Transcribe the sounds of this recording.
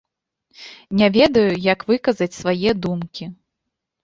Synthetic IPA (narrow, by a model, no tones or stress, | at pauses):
nʲavʲɛd̪ɐjujɐkvɨkɐzɐt͡sʲsvajɛd̪umkʲi